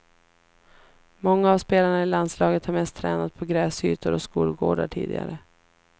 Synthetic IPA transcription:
mɔŋːaːvspeːlaɳaɪlanslɑːɡət̪haɾmɛst̪ʰːɾɛːnat̪̚pʰɔɡɾɛːsyːt̪ʊɾɔskuːlɡo̰ːɖa̰ʈʰḭːd̪ɪ̰ɡa̰ɾə

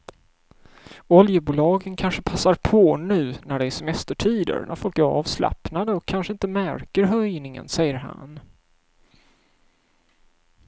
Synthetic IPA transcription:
ɔljəbuːlɑːɡənkʰanʂəpʰasːaɾpʰonʉ̟ːnæɖɛæʂɛmɛst̪əʈʰiːd̪ə̰ɾnʔæ̰ɾfɔlkæɾɑ̰ːvsla̰pnad̪əɔkʰːanʂəɪnt̪əmæɾkəɾɦœjnɪŋə̰nsɛjːəɾɦa̰n

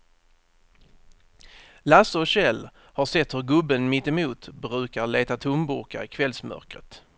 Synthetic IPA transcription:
lasəɔɕɛlː | haʂɛt̪hɵɾɡɵbːənmɪt̪ːɛmuːt̪bɾʉ̟ːkaɾɭeːt̪at̪ʰʊmbʊ̰ɾka̰ɾɪkʰvɛlsmœ̰ɾkɾət̪

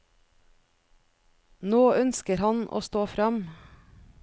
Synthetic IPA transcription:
noːœnskəɾhɑnʔo̰ːst̪oːfɾɑm

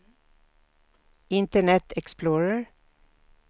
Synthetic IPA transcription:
ɪnt̪əɳɛt̪ʰɛksploːɹəɹ

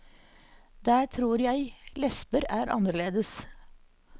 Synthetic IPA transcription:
d̪̥æːt̪ʰɾuːɾjæɪlɛspəɾæːɾʔɑ̰nəɭeːd̪əs

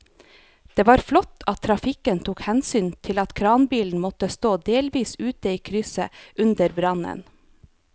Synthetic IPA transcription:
d̪̥eːʋɑːɾflɔt̪ʰɑt̪ʰːɾɑfɪkənt̪ʰuːkhɛnsyːnt̪ʰɪlɑt̪kʰɾɑːnbiːln̩mɔt̪əst̪oːd̪eːlʋiːsʉːt̪əiːkʰɾʏsəʔʉnd̪əɾbɾɑnə̰n

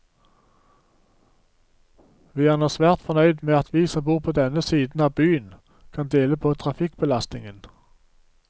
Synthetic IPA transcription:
ʋiːæʁnɛsʋæːʁt̪fɔnœʏd̪meːɑt̪ʰʋiːsɔmbuːʁpʰoːd̪ɛnəsiːd̪n̩ɑːʋbyːən | kʰɑnd̪eːləpʰoːt̪ʰʁɑfɪkbəlɑst̪nɪŋən

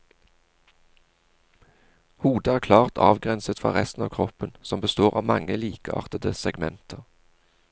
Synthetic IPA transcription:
huːd̪əæːʁkʰlɑːʁt̪ʰɑ̰ːʋɡʁɛnsət̪fʁɑ̰ʁɛst̪n̩ɑːʋkʰʁɔpənsɔmbəst̪oːʁɑːʋmɑŋəliːkəɑ̰ːʁt̪əd̪əsɛɡmɛnt̪ʰəʁ

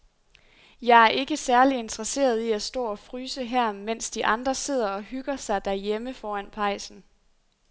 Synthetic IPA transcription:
jɑ̈ɪæɐʔe̝ɡ̥əsæɐlie̝nd̥ʁɐse̝̰ːɐð̞ˠiæsd̥ɔ̰̽ːɒ̽fʁyːsəɦæɐ̰men̰sd̥iʔɑ̈nd̥ʁɐse̝ð̞̰ˠɐɒ̽ɦyɡ̥ɐsɑ̈ɪd̥æɐjeməfɒːæn̰pʰɑ̈ɪ̰sn̩

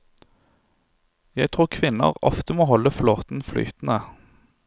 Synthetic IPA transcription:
jæɪt̪ʰʁuːʁkʰʋɪnə̰ʁɔ̰ft̪əmoːhɔləfloːt̪n̩fly̰ːt̪n̩ə

